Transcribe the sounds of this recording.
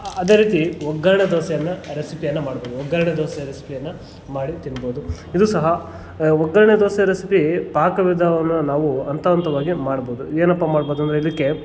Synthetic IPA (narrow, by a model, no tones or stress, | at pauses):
ɐd̪e̞ːɾiːt̪iʋɔɡaːɾɳɐd̪oːsɛjɐnːɐɾesipijɐnːɐmaːɽboːd̪uɔɡːaːɾɐɳed̪oːsɛjɐɾesi̥pijɐnːɐ | maːɽit̪inːɐboːd̪u | id̪usɐɦɐ | ʋɔɡːɐːɾɐɳed̪oːsɛɐɾesipipaːkɐʋid̪ʱɐʋɐnːɐnaːʋuɐnt̪ɐʋɐnt̪ɐʋaːɡimaːɽɐboːd̪ueːnɐpːaːmaːɽboːd̪uɐnd̪ɾeilːikːe